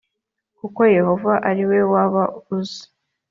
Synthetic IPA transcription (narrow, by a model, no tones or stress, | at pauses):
kuko̞je̞ho̞vaʔaɾiwe̞waβauzi̥